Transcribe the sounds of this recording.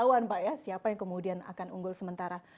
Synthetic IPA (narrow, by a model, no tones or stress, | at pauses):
auanpaʔjasiapajaŋkəmudiana̰kanṵŋɡʊlsəmənt̪aɾa